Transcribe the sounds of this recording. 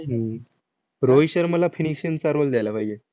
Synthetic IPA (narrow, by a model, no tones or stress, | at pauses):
ɦə | ɾoiɕəɾməlafʰinikɕənt͡saɾold̪jajlabʱajd͡ʑe